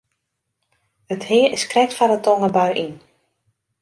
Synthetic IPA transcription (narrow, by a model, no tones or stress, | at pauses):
əthɪəskrɛk̚tfadətɔŋəbœɥʔin